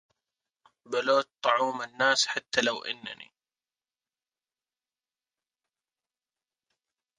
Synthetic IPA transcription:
baloːt̪̚t̪ˤːɑʕuːmɪnːaːsħat̪ːalawʔɪ̰nːa̰nḭ

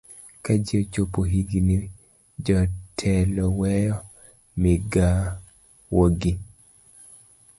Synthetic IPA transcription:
kad͡ʒiot͡ʃopoɦiɡini | d͡ʒɔtʰɛlɔwɛjɔ | mɪɡa | woɡi

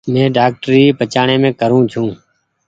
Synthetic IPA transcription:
mẽːɖaːk̚ʈɾiːpət͡ʃaːɳeːmẽːkəɾũːt͡ʃʰũː

